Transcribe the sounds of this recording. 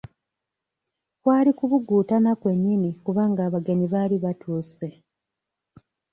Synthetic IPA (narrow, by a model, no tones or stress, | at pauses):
kwaːlikuβuɡuːtanakwe̞ɲːinikuβaːŋɡaːβaɡe̞niβaːliβatʰuːse̞